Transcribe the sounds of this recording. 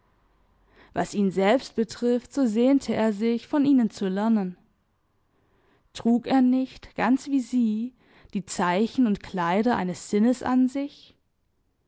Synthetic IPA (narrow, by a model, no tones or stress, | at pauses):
va̰sʔiːnzɛlpst̚b̥ətʁ̥ɪftz̥oːzeːntʰəʔeːɐzɪçfɔniːnənt͡sulɛɐnən | tʁ̥uːkeːɐnɪçtɡ̥ant͡sv̥iːziː | d̥iːt͡saɪçn̩ʊntkʰl̥aɪɾɐʔa̰ɪnəsz̥ɪnəsʔa̰nzɪç